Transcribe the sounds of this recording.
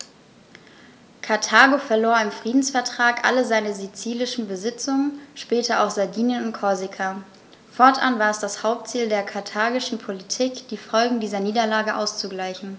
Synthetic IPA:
kʰaɐtʰaːɡofɛɐloːɐɪmfʁ̥iːdn̩sfɛɐtʁ̥aːkʔa̰ləzaɪnəzit͡siːlɪʃn̩bəzɪt͡sʊŋənʃpɛːtɐa̰ʊxz̥adiːnjənʊntkʰɔɐzikʰa | fɔɐtʔa̰nvaːɐɛsd̥ashaʊp̚tt͡siːldeːɐkʰaɐtʰaːɡɪʃn̩pʰolitʰiːkd̥iːfɔlɡŋ̩diːzɐniːdɐlaːɡəʔa̰ʊst͡suɡlaɪçn̩

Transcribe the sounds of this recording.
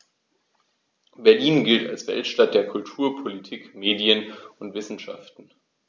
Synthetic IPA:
bɛɐliːnɡɪlta̰lsv̥ɛ̰ltʃtat̚d̥eːɐkʰʊltʰuːɐpʰolitʰiːkmeːdjənʊntv̥ɪsn̩ʃa̰ftn̩

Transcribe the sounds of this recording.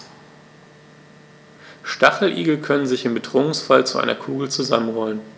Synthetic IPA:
ʃtaχl̩ʔḭːɡl̩kʰœnənzɪçɪmbədʁ̥oːʊŋsfalt͡suʔa̰ɪnɐkʰuːɡl̩t͡suza̰mənʁɔlən

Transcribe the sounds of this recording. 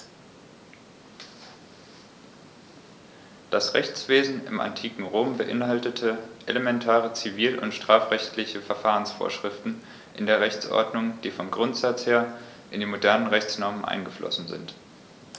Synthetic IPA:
d̥asʁɛçt͡sv̥eːzn̩ɪ̰ma̰ntʰiːkŋ̩ʁoːmbəʔɪ̰nhaltətʰəʔeləmɛntʰaːʁət͡siviːlʔʊ̰ntʃtʁ̥aːfʁ̥ɛçtʰlɪçəfɛɐfaːʁənsfo̰ːɐʃʁ̥ɪftn̩ | ʔɪndeːɐʁɛçt͡sʔɔ̰ɐdnʊŋd̥iːfɔmɡʁʊntz̥at͡sheːɐ | ʔɪndiːmodɛɐnənʁɛçt͡snɔɐmənʔa̰ɪnɡəflɔ̰sn̩zɪ̰nt

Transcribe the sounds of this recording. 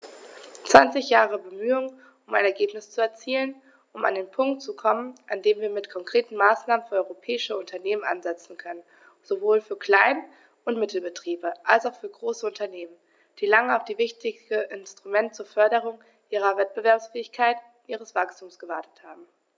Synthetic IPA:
t͡sv̥a̰nt͡sɪçjaːʁəbəmyːʊŋ | ʊmaɪnɛɐɡeːpnɪst͡suɛɐt͡siːlən | ʔʊma̰ndeːnpʰʊŋk̚tt͡sukʰɔmənʔandeːmviːɐmɪtkʰɔŋkʁ̥eːtn̩maːsnaːmənfyːɐɔʏʁopʰɛːɪʃəʊntʰɐneːmənʔa̰nzɛt͡sn̩kʰœnən | z̥ovoːlfyːɐkl̥aɪn | ʔʊntmɪtl̩bətʁ̥iːbəʔalsaʊfyːɐɡʁoːsəʊntɐneːmən | d̥iːlaŋəaʊfd̥iːvɪçtɪəʔɪnstʁ̥umɛntt͡suːɐfœɐɾəʁ̞ʊŋ | ʔiːʁ̞ɐvɛt̚b̥əvɛɐpsfɛːɪçkʰaɪt | ʔiːʁ̞əsv̥akstʰuːmsɡ̥əvaɐtʰə̥thaːbm̩

